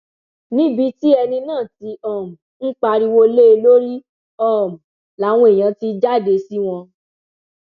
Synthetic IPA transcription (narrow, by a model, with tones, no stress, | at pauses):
nĩ˦bi˧˦ti˦ɛ˧nĩ˧nãː˦˨ti˧ɔ˦˨m̩˨n̩˦k͡pa˧ɾi˧wo˧le˦e˧lo˦ɾi˦ | ɔ˦˨m̩˨ | la˨˦w̃ɔ̃˧e˨j̃ã˧ti˧d͡ʒa˦˨de˧si˦w̃ɔ̃˧